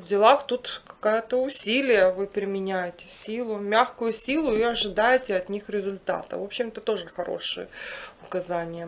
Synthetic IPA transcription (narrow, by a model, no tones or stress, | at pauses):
vdʲɪlˠaxt̪ut̪kɐ̥kajət̪əʊsʲilʲɪjəvɨpɾʲɪmʲɪnʲæjɪtʲɪ̥sʲilˠʊmʲaxkʊjʊsʲilˠʊiɐʐɨd̪ajɪtʲɪɐt̪nʲixɾʲɪzʊlʲt̪a̰t̪ɨ̰vo̞pɕːɪmɛt̪ət̪o̞ʐɨxɐɾo̰ʂɨ̰jəʊkɐzanʲɪjə